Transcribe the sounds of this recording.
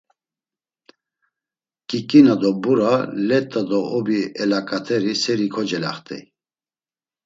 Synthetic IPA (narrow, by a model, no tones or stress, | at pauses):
kʼikʼinad̪ɔbuɾalɛt̪ʼːad̪ɔɔbiɛlakʼat̪ʰɛɾisɛɾikʰɔd͡ʒɛla̰χt̪ʼɛ̰j